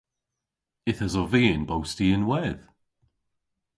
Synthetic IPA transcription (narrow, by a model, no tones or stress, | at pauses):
ɪθəzɔveːnbowstiɪnwɛð